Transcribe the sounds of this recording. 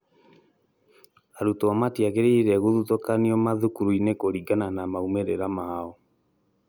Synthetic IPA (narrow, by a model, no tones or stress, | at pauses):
aɾutɔamatiaɣeɾeiɾɛɣoðutokaniɔmaðukuɾuinekoɾiɡananamaumeɾeɾamaɔ